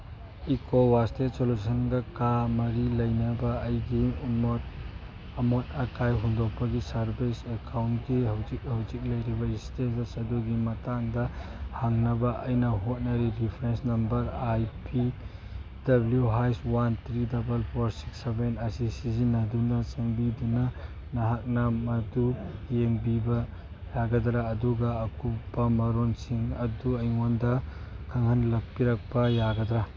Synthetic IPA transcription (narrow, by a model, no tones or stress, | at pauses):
ikʰowastesolusɐnɡɐkamɐɾilɐjnɐbɐːjɡiumot̚ | ɐmot̚ɐkajɦundok̚pʰɐɡisɐɾbisekʰawntɡihɐwzik̚hɐwzik̚lɐjɾibɐistetɐsɐduɡimɐtaŋdɐhaŋnɐbɐʔɐjnɐɦot̚nɐɾiɾipʰɾensnɐmbɐɾajpʰi | dɐbljuɦajswant̪ʰɾidɐbɐlpʰoɾsi̥ksebenɐsisizinɐdunɐt͡ʃeŋbidunɐ | nɐɦak̚nɐmɐdujeŋbibɐ | jaɡɐdɾaːduɡɐɐkupːɐmɐɾonsiŋɐduɐjŋondɐkʰɐŋhɐnlɐk̚piɾɐk̚pɐjaɡɐd̪ɾɐ